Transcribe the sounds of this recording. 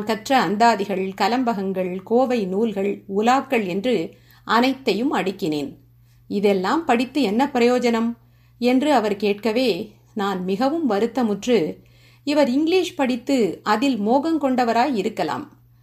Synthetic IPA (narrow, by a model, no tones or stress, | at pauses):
nkɐʈrɐːnd̪aːðɪɣɐɭkɐlɐmbɐɣɐŋɡɐɭkoːʋɐɪnuːlɣɐɭʊlaːkːɐɭɛndrɯ | ʔɐnɐɪt̪ːɐjɯmɐɽɪkːɪnḛːn | ɪðɛlːaːmpɐɽɪt̪ːɯɛnːɐpɾɐjoːd͡ʒɐnɐm | ɛndrɯɐʋɐɾkeːʈ̚kɐʋeː | naːnmɪɣɐʋɯmʋɐɾɯt̪ːɐmʊʈrɯ | ɪʋɐɾɪŋɡɪliːʂpɐɽɪt̪ːɯɐðɪlmoːɣɐmkɔɳɖɐʋɐɾaːjɪɾɯkːɐla̰ːm